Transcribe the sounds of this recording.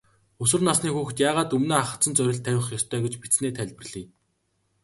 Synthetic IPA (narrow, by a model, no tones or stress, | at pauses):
ʊs̬wɘ̆rnasniːxuːxt̪jaːʁaːt̪ɵmnoːaχə̆t͡sə̆nt͡sœɾʲɪ̆ɬt̪ʰːæwʲɪ̆χjɔst̪ʰœːɡĕt͡ɕpit͡sneːt̪ʰæɮʲpɘ̆rɮ̥iː